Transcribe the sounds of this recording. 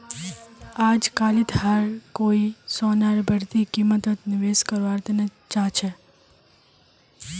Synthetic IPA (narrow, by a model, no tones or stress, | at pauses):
ad͡ʒkalit̪ɦaɾkoisɔnaɾbʱəɽt̪ikimət̪ət̪nɪʋeskəɾʋaɾt̪əne | t͡ʃãt͡ʃʰe